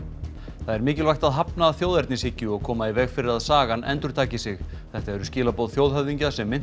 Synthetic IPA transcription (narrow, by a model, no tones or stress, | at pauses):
θaðɛɾmɪːcɪlvajxt̪aðɦapnaːðθjoːwðɛɾt̪nɪshɪcːʏɔɣkʰɔːmaivɛːɣfɪɾɪɾaðsaːɣanɛ̰nt̪ʏɾ̥t̪ʰaːcɪsɪɣ | θɛht̪aɛɾʏscɪːlapowðθjoːwðɦœðiɲcasɛmːɪn